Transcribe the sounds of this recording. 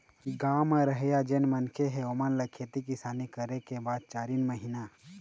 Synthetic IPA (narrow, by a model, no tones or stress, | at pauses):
ɡaːməɾəɦjad͡ʒenmɐnkʰeɦeomənlɐkʰet̪ikɪsaːnikəɾekebaːd̪̚t͡ʃaːɾinməɦina